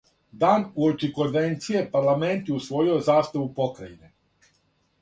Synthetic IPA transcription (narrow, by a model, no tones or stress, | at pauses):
d̪aːnuot͡ʃiko̞nʋent̪sijepaɾlˠame̞nt̪jusʋo̞jiozaːst̪aʋupo̞kɾaine